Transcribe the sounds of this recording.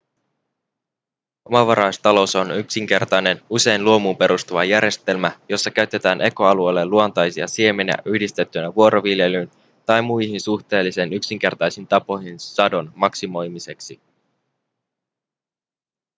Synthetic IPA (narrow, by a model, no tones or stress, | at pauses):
ʔo̞mɑʋɑɾɑjst̪ɑlo̞sonyksiŋk̟e̞rt̪ɑjne̞nuse̞jnluomupe̞ɾust̪uʋɑjæɾje̞st̪e̞lmæjo̞sːɑkæɥt̪ːe̞t̪æːnʔe̞ko̞ɑluejlːeluo̞nt̪ɑjsiɑ̰sie̞menæ̰ʔyhdist̪e̞t̪ːynæʋuo̞ɾʔo̞ʋilje̞lyn | t̪ɑjmujçinsuxt̪e̞ːlːisenyksiŋk̟e̞rt̪ɑjsint̪ɑpo̞hinsɑdo̞nmɑksimo̞jmise̞ksi